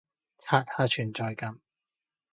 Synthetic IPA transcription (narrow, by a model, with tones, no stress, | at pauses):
t͡sʰaː˧t̚t̪ʰaː˧˥t͡ʃʰyː˨˩nt͡sɔː˧jkɐ˨˧m